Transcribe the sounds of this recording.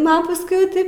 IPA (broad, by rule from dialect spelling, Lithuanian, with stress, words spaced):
ˈnʊ ɐ pɐsˈkʊɪ jɛʊ ˈtɐɪp